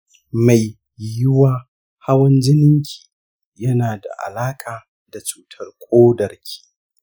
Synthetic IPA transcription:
ma˨j | jɪ˦waː˦ | ha˦wɐ˦nd͡ʒɪ˦nɪ˦ŋkʲʰi̥ː˨ | jɐ˦naː˨da̰˨ʔa̰˨laː˦kʼaː˨ | da˨t͡ʃuː˦tʰɐ˦rkʷʼoː˦dɐ˨rkʲʰi̥ː˦

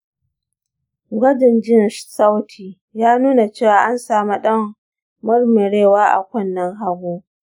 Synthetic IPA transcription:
ɡʷɐ˦dɪ˨nd͡ʒɪ˦nʃsa˦wtʰiː˨ | jaː˦nuː˦na˨t͡ʃeː˦˨waː˨ʔa˦nsaː˨ma˦ɗɐ˦mː | ʊ˦rmɪ˨ɽeː˦˨waː˦ʔa̰˨kʷɐ˦˨nːɐ˦ŋɦa˦ɡʷoː˦

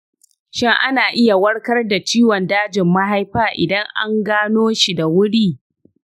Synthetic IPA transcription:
ʃɪ˦ŋʔa˦naː˨ʔɪ˦ja˨wɐ˦ɽkɐ˦rda˨t͡ʃiː˦wɔ˨ndaː˦d͡ʒɪ˨mːɐ˦ɦa˦jɸaː˦˨ʔɪ̰˨dɐ˦ŋʔa̰˦ŋɡaː˦noː˦ʃi˨da˨wʊ˦ɽiː˦

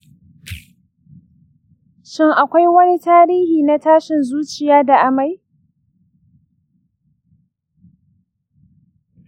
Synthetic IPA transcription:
ʃɪ˦ŋʔa˨kʷa˦jwɐ˦ni˦taː˦ɾiː˦hiː˨na˦taː˦ʃɪ˨nzuː˦t͡ʃɪ˨jaː˦da˨ʔa˨ma˦j

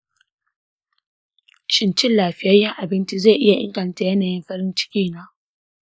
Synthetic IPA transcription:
ʃɪ˦nt͡ʃɪ˦nlaː˨ɸɪ˦jɐ˦jɐ˦ŋʔa˨bɪ˦nt͡ʃi˦zeː˦˨ʔɪ˦ja˨ʔɪ̰˦ŋɡɐ˨n˨ta˨jɐ˦naː˨jɪ˦mɸɐ˦ɾɪ˦nt͡ʃɪ̥˦kʲiː˦naː˦

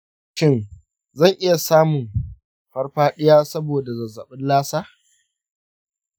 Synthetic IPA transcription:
ʃɪ˦˨n | zɐ˦˨ŋʔɪ˦ja˨saː˦mʊ˨m | ɸɐ˦rɸaː˦ɗɪ˦jaː˦sɐ˦boː˨da˨zɐ˨zɐ˨ɓɪ˦nlaː˦saː˦

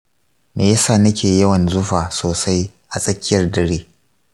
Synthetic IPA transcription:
meː˨ja˦saː˦˨nɐ˦kʲeː˨jɐ˦wɐ˨nzʊ˦ɸaː˨soː˨sa˦j | ʔa˨sʼɐ˦kʲɪ˦jɐ˨rdɐ˦ɽiː˦

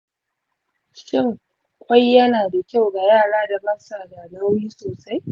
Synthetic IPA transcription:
ʃɪ˦˨ŋ˨ | kʷa˦jːɐ˦naː˨da˨kʲa˦˨wɡa˨jaː˦˨ɽaː˦da˨bɐ˦sa˨da˨la˦wɽiː˦soː˨sa˦j

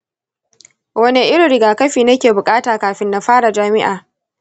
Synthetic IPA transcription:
wɐ˦ne˦ʔɪ˦ɽɪ˨ɽɪ˨ɡaː˨kɐ˦ɸiː˨nɐ˦kʲeː˨bʊ˨kʼaː˦taː˨kaː˨ɸɪ˦nːa˨ɸaː˦ɽa˨d͡ʒaː˦mɪ˦ʔaː˨

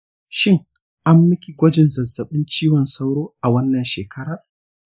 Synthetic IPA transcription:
ʃɪ˦ŋ | ʔa˦mːɪ˦kʲi˨ɡʷɐ˦d͡ʒɪ˨nzɐ˨zːɐ˨ɓɪ˦nt͡ʃiː˦wɔ˨nsa˦wɽoː˦ʔa˨wɐ˦nːɐ˨nʃeː˨kʰɐ˦ɾaː˨

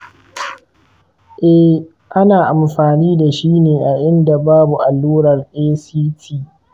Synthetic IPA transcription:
ʔɛ˦h | ʔa˦naː˨ʔa˨mɸaː˨niː˦da˨ʃiː˦neː˨ʔa˨ʔɪ˦nda˨baː˦bu˨ʔa˨lːuː˦ɾɐ˨rʔeː˦siː˦tʰiː˦

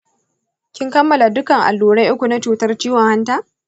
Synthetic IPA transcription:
kʲɪ˦ŋkɐ˦mːɐ˨la˨dʊ˦kɐ˨ŋʔa̰˨lːuː˨ɽa˦jʔʊ˦kʷu˨na˦t͡ʃuː˨tɐ˦rt͡ʃiː˦wɔ˨ŋha˦ntaː˦

